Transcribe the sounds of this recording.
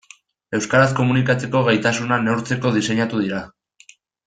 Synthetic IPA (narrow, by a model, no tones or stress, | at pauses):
e̞wskaɾas̬ko̞munikat͡se̞ko̞ɣajt̪asunanewɾt͡se̞ko̞ð̞ise̞ɲat̪uðiɾa